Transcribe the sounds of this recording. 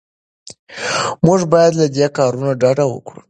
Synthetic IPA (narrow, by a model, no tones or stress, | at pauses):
muʐbɑjad̪lad̪ekɑɾunaɖaɖawə̰kɽṵ